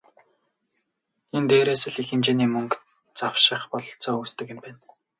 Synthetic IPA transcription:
ent̪eːɾeːsɘ̆ɮixɘ̆mt͡ɕeːniːmɵŋk | t͡sawʃɪ̆χpɔɮɞ̆ɬt͡sɔːuːst̪ɘ̆kĕmpæːn

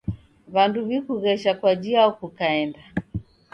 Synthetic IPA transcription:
βanduβikuɣɛʃakwad͡ʒiaɔkukaɛnda

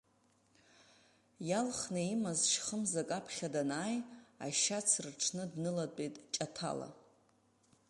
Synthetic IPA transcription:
jalχnaimazʃχəmzakʼapʰχʲadanaːja̰ʃat͡sʰrʈ͡ʂʰnɨdnɨlatʷʼejtʼt͡ʃʼatʰa̰la̰

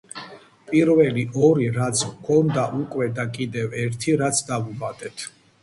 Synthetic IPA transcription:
pʼiɾvɛliʔɔɾiɾat̪sʰkʰɔnd̪aʔukʼwɛd̪akʼid̪ɛvɛɾt̪ʰiɾat̪sʰd̪avubad̪ʼɛt̪ʰ

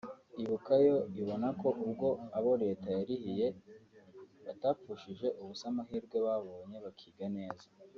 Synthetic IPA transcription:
iβukajo̞iβo̞nako̞ʔubɡo̞aβo̞ɾe̞ːtajaɾihije̞ | βataːpuʃiʒe̞ʔuβusamaɦiːɾɡweβaβo̞ːɲe̞βakʰiːɡane̞ːza

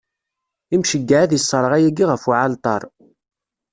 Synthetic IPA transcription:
imʃəɡːaʕaðjisˤːəɾˤʁæjæɡiʁəfuʕalt̪ˤɑ̰ɾˤ

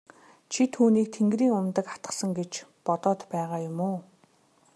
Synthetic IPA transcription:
t͡ɕʰit̪ʰuːniːk̚t̪ʰeŋɡriːŋʊmt̪ə̆kḁt̪ə̥̆sə̆ŋɡet͡ɕpɔt̪ɔːt̪pæːʁaːjʊmoː

